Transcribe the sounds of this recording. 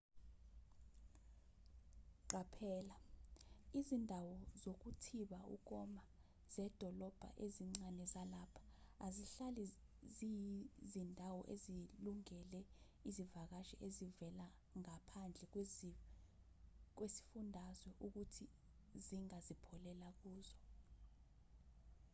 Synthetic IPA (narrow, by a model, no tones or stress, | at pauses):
ǃapʰɛːla | izindʱawɔzok̬utʰiɓaṵk̬ɔma | z̥ɛd̥ʱɔlɔb̥ʱa̰ʔeziŋ͡ǀanɛzalapʰḁːziɬalizizindʱawɔʔeziluŋɛlɛ | izivak̬aʃɛʔezivɛla | ŋapʰand͡ɮʱɛ | k̬wesi̥fundʱazwɛʔuk̬utʰi | ziŋazipʰɔlɛlak̬uːzɔ